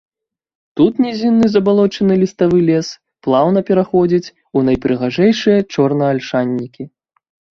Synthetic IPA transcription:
t̪ut̪nʲɛzʲinːɨzɐbalˠɔt͡ʂɐnɨlʲist̪avɨlʲɛs | plˠawnɐpʲɛɾaxɔd͡zʲit͡sʲ | unɐjpɾɨɣaʐɛjʂɨjɐt͡ʂɔrnɐːlʲʂanʲːikʲi

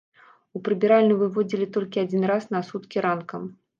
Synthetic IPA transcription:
upɾɨbʲiɾalʲnɨvɨvɔd͡zʲilʲit̪ɔlʲkʲiad͡zʲinrasnɐsut̪kʲiɾankɐm

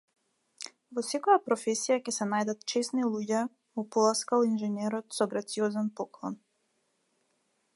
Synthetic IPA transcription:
vɔsɛkɔjapɾɔfɛsijacɛsɛnajd̪at̪t͡ʃɛsnilˠuɟɛ | vɔpɔlˠaskaɔinʒɛnɛɾɔt̪sɔɡɾat̪sijɔzanpɔklˠɔn

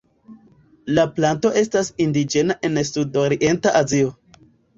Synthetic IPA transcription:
laplanto̞ʔe̞stasindid͡ʒe̞naʔe̞nsudoɾiʔe̞ntaʔazio̞

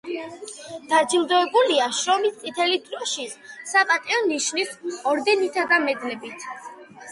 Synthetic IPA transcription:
d̪̥ad͡ʒilˠd̪ɔɛbuliaʃɾɔmist̪sʼit̪ʰɛlid̪ɾɔʃisapʼat̪ʼiɔniʃnisɔɾd̪ɛnit̪ʰad̪amɛd̪lɛbit̪ʰ

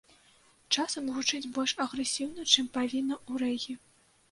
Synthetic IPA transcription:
t͡ʂasɐmɣut͡ʂɨd͡zʲbɔlʲʂɐɣɾɛsʲiwnɐt͡ʂɨmpavʲinːɐuɾɛɣʲi

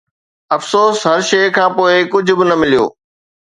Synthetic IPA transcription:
ɐfsoːsɦɐɾʃɐːkʰãːpoːɪkʊd͡ʑʱʊbɪnɐmɪlijo̰ː

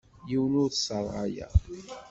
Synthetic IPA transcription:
jiwnʊɾθsˤəɾˤɑ̰jæ̰

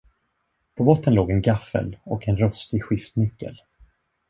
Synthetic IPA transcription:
pʰɔbɔt̪ːənloːɡɛnɡafːə̰lɔkɛnɾɔst̪ɪɡɧɪft̪nʏkːə̰l

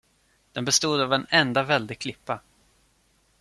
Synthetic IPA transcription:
d̪̥ɛnbɛst̪uːd̪avɛnɛnd̪avɛld̪ɪkʰlɪpːa

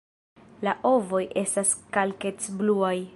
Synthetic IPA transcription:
laʔo̞vo̞jʔe̞staskalke̞t͡sbluaj

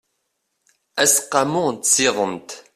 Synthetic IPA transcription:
æsqːɑmʊt̪siðˤənt̪

